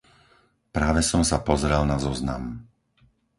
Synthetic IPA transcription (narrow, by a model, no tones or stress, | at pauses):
pɾaːʋɛsɔmsapɔzɾɛlnazɔzna̰m